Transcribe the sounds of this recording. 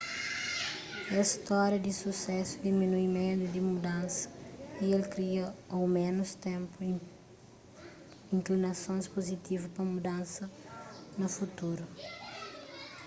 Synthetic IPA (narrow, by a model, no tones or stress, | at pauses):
ɛst̪ɔɾjɐd̪isusɛsud̪iminuimẽnt̪ud̪imud̪ɐ̃nsɐ̥ielkɾiɐowmẽnust̪ẽmpu | ĩŋklinɐsõjspozit̪ivupɐmud̪ɐ̃nsɐnɐfut̪uɾu